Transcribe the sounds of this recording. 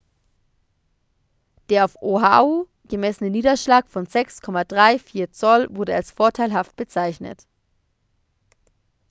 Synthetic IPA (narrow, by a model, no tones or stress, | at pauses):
d̥eːɐaʊfʔoɦa̰o | ɡ̥əmɛsənəniːdɐʃlaːkfɔnzɛkskʰɔmadʁaɪfiːɐt͡sɔlvʊɐɾəalsfoːɐtʰaɪlɦaft̚b̥ət͡saɪçnə̰t